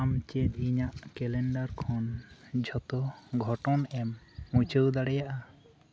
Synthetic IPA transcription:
amt͡ʃet̪̚iɲaʔkɛlɛɳɖaɾkʰɔnd͡ʒʱɔt̪ɔɡʱɔʈɔnɛmː | ut͡ʃowd̪aɽɛjaʔa

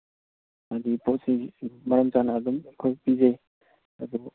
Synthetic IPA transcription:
ad̪ipotsimɐɾəmzanaːd̪umekʰojpizej | ɐd̪u

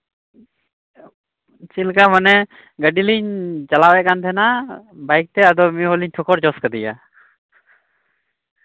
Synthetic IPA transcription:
t͡ʃilkamanɛ | ɡəɖiliɲt͡ʃalawɛʔ̚kant̪ʰɛnabajk̚t̪ɛad̪ɔmiɦɔliɲʈʰɔkʰɔɾt͡ʃɔskəd̪ija̰

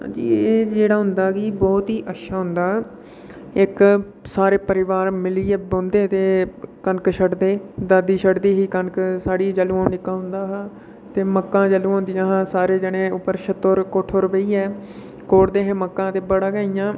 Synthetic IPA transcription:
ɦã̰ːd͡ʒḭːeːd͡ʒeːɽaːɦʊnd̪aːkiːbɔːt̪ɦiːʔətʃʰaːɦʊnd̪aː | ɪk | saːɾeːpəɾɪʋaːɾmɪliːeːbõːnd̪eːt̪eːkənkʃəɖd̪eːd̪əd̪iːʃʰəɖd̪iːɦiːkənksaːɽiːd͡ʒəluːãːikːãːɦʊ̃nd̪aːɦãː | t̪eːməkːãːd͡ʒəluːãːnd̪ɪjãːɦãːsaːɾeːd͡ʒəɽẽːʊpːəɾʃət̪ːoːɾkoːʈʰoːɾəʋəiːɛː | koːɽd̪eːɦẽːməkːãːt̪eːbəɽaːɡaːijãː

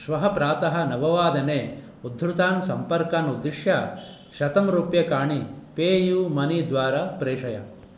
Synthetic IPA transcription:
ʃʋɐɦɐpɾaːt̪ɐɦɐ̆nɐʋɐʋaːd̪ɐneː | ud̪ʱːɾut̪aːnsɐmpɐɾkaːnud̪iʂjɐ | ʃɐt̪ɐmɾuːpjɐkaːɳipeːjuːmɐnid̪ʋaːɾapɾeːʂɐjɐ

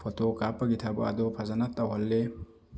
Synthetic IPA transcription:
pʰɔt̪okaːpːɐɡɪt̪ʰabʊ̰a̰d̪opʰɐzɐnɐt̪ʼːɐwɔlːe

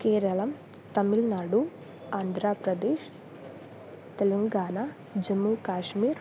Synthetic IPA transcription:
keːɾɐlɐm | t̪ɐmilnaːɽu | aːnd̪ʱɾaːpɾɐd̪eːʃ | t̪elɐŋɡaːnaː | d͡ʒɐmːuːkaːʃmiːɾ

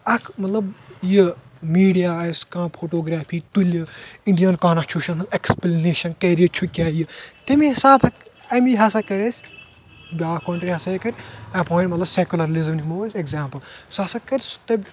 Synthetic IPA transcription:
ɐkʰmɐt̪lɐbjəmiːɖijaːskãːpʰoːʈoːɡɾaːpʰiːt̪ulʲiɳɖijɐnkaːnɐt͡ʃʰuʃɐnɦɐneksplneːʃɐnkeɾijit͡ʃʰukʲaːjɨt̪emiɦisaːbʰɐk | ɐmiɦɐsakɐɾesʲ | bʲaːkoːɳʈɾiɦɐsajekɐɾʲɐpõːnʲmɐt̪lɐbsekʲulɐɾlizɐmnimoːɐsʲekzaːmpɐlsoɐsɐkɐɾʲst̪ɐbʲ

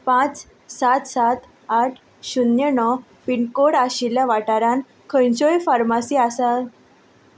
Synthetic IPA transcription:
pãt͡s | sat̪sat̪ | aʈʰ | ɕunjənɔ | piɳkoɽaɕiljaʋaʈaɾãn | kʰə̃jt͡ɕojfaɾmasiasal

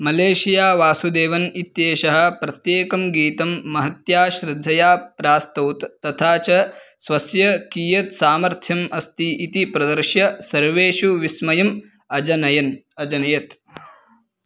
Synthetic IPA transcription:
mɐleːʃijaːʋaːsud̪eːʋɐnit̪jeːʃɐɦɐ̆pɾɐt̪jeːkɐmɡiːt̪ɐmːɐɦɐt̪jaːʃɾɪd̪ʱːɐjaːpɾaːst̪uːt̪ːɐt̪ʰaːt͡ʃɐsʋɐsjɐkiːjɐt̪saːmɐɾt̪ʰjɐmʔɐst̪iʔit̪ipɾɐd̪ɐɾʃjɐsɐɾʋeːʃuʋismɐjɐm | ɐd͡ʒɐnɐjɐn | ɐd͡ʒɐnɐjɐt̪

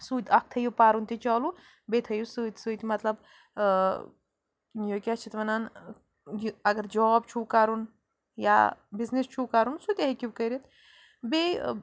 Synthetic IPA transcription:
suːt̪ʲɐk̚ʰt̪ʰɐjupaːɾunt̪it͡ʃɔːlu | bet̪ʰɐjusut̪ʲsut̪ʲmɐt̪lɐb | joːkʲat͡ʃʰit̪ʋɐnaːn | jɐɡɐɾd͡ʒɔb̚t͡ʃʰuːkaɾun | ja̰biznist͡ʃʰuːkaɾunsut̪ʲɐɦekʲiʋkəɾit̪ | be

